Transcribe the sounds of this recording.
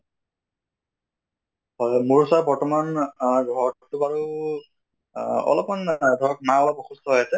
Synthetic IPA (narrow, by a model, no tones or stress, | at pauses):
hɔjmuɹusabɔɹtɔmanɡʱɔɹɔtubaɹu | ɔ̰lɔpmandʱɔɹɔk̚naabɔxustʰɔɦɔjasɛ